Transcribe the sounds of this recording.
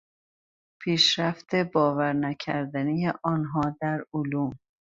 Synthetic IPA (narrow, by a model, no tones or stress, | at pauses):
pʰiːʃɾæft̪ʰebɒːvæɾnæcʰæɾd̪ænijeʔɒːnɦɒːd̪æɾoluːm